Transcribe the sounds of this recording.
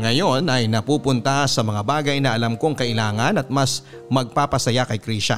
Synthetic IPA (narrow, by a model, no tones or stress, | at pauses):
ŋɐjo̞nɐjnɐpuːpʊnt̪ɐsɐmɐŋabaːɡɐjnɐʔɐlɐmko̞ŋkɐʔɪlaːŋɐnɐt̪̚mɐs | mɐɡ̚paːpɐsɐjakɐjkɾiːʃɐ̰